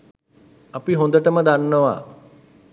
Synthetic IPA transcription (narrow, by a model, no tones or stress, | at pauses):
apiɦõnd̪əʈəməd̪anːəʋa̰